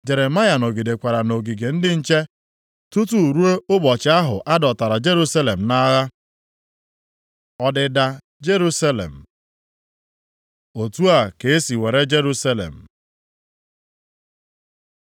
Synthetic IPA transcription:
d͡ʒe˨ɾe˨ma˦ja˨no˨ɡi˨de˨kʷa˨ɾa˨no˨ɡi˨ɡe˨n̩˦dɪ˦n̩˦t͡ʃe˦ | tu˦tu˦˨ɾu˦e˦ʊ˦bɔ˨t͡ʃɪ˨˦a˦ɦʊ˨ʔa˦dɔ˨ta˨ɾa˨d͡ʒe˦ɾu˦sa˦le˨m̩˨na˦ɣa˦ | ɔ˦dɪ˨da˨ | d͡ʒe˦ɾu˦sa˦lḛ˨m̩˨ | o˨tu˦a˨ke˨e˦si˨we˨ɾe˦d͡ʒe˦ɾu˦sa˦lḛ˨m̩˨

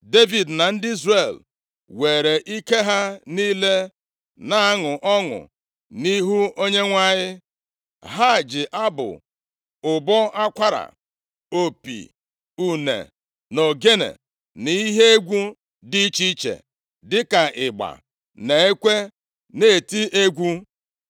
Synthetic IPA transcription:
de˦vi˨dna˨n̩˦dɪ˦i˦zre˨l | we˨ɾe˨ʔi˦ke˦ɦa˦niː˦le˦ | na˨a˦ŋʊ˨ʔɔ˦ŋʊ̰˨ | ni˦ɦu˦o˦ɲe˦ŋʷa˦ɲɪ˦ | ɦa˦˨d͡ʒɪ˨ʔa˦bʊ̰˨ | ʊ˨bɔ˦a˦kʷa˦ɾa̰˨ | o˨pḭ˨ | u˨nḛ˨ | no˨ɡe˦nḛ˨ | ni˦ɦe˦e˦ɡʷu˦ | di˦t͡ʃi˦t͡ʃḛ˨ | dɪ˦ka˨ʔɪ˨ɡ͡ba̰˨ | ne˨e˦kʷe˦ | ne˦e˨ti˦ʔe˦ɡʷu˦

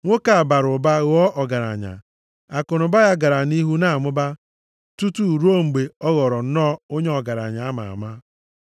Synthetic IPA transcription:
ŋʷo˦ka˨a˨ba˨ɾʊ˨ba˦ɣɔ˦ʔɔ˨ɡa˨ɾa̰˨ɲa̰˨ | a˨kʊ˨nʊ˨ba˦ja˦ɡa˨ɾa˨ni˦ɦu˦na˦˨a˨mʊ˦ba˦ | tu˦tu˦˨ɾu˦o˦ŋ͡m̩˨ɡ͡be˨ɔ˦ɣɔ˨ɾɔ˨n̩˦nɔː˦o˦ɲe˦ɔ˨ɡa˨ɾa̰˨ɲa˨a˦ma̰˨a̰˨ma˦

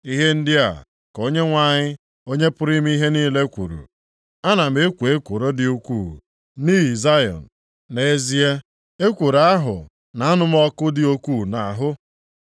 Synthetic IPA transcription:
i˦ɦe˦n̩˦dɪ˦a̰˨ | ko˦ɲe˦ŋʷa˨ɲɪ˦ | o˦ɲe˦pʊ˦ɾi˦m˦i˦ɦe˦niː˦le˦kʷṵ˨ɾṵ˨ | a˦na˨m̩˦e˦kʷu˨e˦kʷu˨ɾo˦dɪ˨u˦kʷuː˦˨ | niː˦i˨za˦jɔ̰˨n̩˨ | ne˨˦zi˦e˦ | e˦kʷu˨ɾa˦ɦʊ̰˨ | na˨a˦nʊ˦m˦ɔ˦kʊ˦dɪ˨˦o˦kʷuː˦˨na̰˨ɦʊ˦

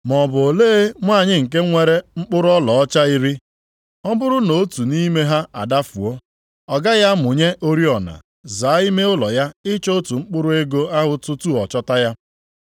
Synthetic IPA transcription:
mɔ˨bʊ˨o˨leː˦mʷ˦a˦˨ɲɪ˦ŋ̩˨k̬e˦ŋʷe˦ɾe˦ŋ͡m̩˦k͡pʊ˦ɾʊ˦ɔ˦lɔ˨ɔ˦t͡ʃa˦i˦ɾi˦ | ɔ˦bʊ˦ɾʊ˦no˨o˦tu˨ni˦me˦ɦa˦a̰˨da˦fṵ˨o˦ | ɔ˨ɡa˦ja˦mʊ˨ɲe˦ʔo˦ɾi˦ɔ˨na̰˨ | za˨a˦i˦me˦ʊ˦lɔ˨ja˦ɪ˦t͡ʃo˦tu˨ŋ͡m̩˦k͡pʊ˦ɾʊ˦e˦ɡo˦a˦ɦʊ˦tʊ˦tu˦ɔ˨t͡ʃɔ˦ta˦ja˦

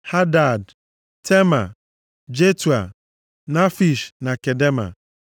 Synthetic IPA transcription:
ha˦da˨d | te˦ma˨ | d͡ʒe˦tu˨a˨ | na˦fi˨ʃna˨ke˨de˦ma̰˨

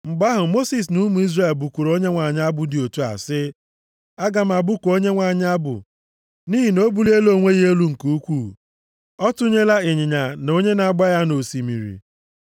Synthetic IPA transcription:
ŋ͡m̩˨ɡ͡ba˦ɦʊ˨mo˦si˨s̬nu˦mu˨i˦zre˦˨lbu˨ku˨ɾo˦ɲe˦ŋʷa˨ɲ˦a˦bʊ˨dɪ˨o˨tu˦a̰˨sɪ˦ | a˦ɡa˨m̩˦˨a˨bʊ˦kʷo˦ɲe˦ŋʷa˨ɲ˦a˦bʊ̰˨ | niː˦ɦi˨no˦bu˨le˦lo˦˨ŋʷe˦ɣe˦lu˦ŋ̩˨ku˨u˦kʷu˦˨ | ɔ˦tʊ˦ɲe˦la˦ɪ˨ɲɪ˨ɲa˨no˦ɲe˦na˨a˨ɡ͡ba˦ja˦no˨si˨mḭ˨ɾḭ˨

